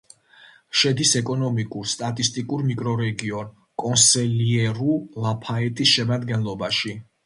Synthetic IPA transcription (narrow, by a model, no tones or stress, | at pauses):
ʃɛd̪isɛkʼɔnɔmikʼuɾst̪ʼat̪ʼist̪ʼikʼuɾmikʼɾɔɾɛɡiɔn | kʼɔnsɛliɛɾulapʰaɛt̪ʰʼisʃɛmad̪ɡɛnlˠɔbaʃi